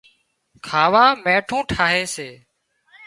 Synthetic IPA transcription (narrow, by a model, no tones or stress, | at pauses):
kʰaːʋaːmẽːʈʰũːʈʰaːɦeːseː